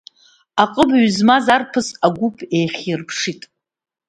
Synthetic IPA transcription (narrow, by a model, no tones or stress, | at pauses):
aqʼəbɥzmazarpʰɨsaɡʷʊpʰejχʲirpʰʂitʼ